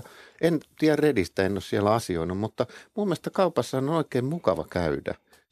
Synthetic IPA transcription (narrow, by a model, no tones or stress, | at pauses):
ent̪iærredist̪æenːossiælæɑsioinummut̪ːɑmumːeæst̪ɑkɑupɑsːɑhɑnonoikeːmmukɑʋɑ̰kæydæ̰